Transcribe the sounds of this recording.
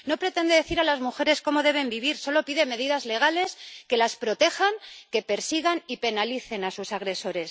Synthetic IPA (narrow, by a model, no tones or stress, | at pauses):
no̞pɾe̞t̪e̞nd̪e̞ðe̞θiɾalazmuxe̞ɾe̞sko̞mo̞ðe̞β̞e̞mbiβiɾso̞lo̞piðe̞me̞ðiðazle̞ɣ̞ale̞ske̞laspɾo̞t̪e̞xaŋke̞pe̞ɾsiɣ̞anipe̞naliθe̞nasusaɣɾe̞so̞ɾe̞s